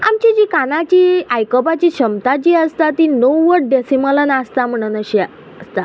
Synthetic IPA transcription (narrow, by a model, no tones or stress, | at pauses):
a̰mt͡ɕid͡ʑikanat͡ɕiːajkəpat͡ɕiːɕəmt̪at͡ɕiːəst̪at̪inowːəʈ̚ɖesimələnast̪am̤əɽ̃unəɕi | əst̪a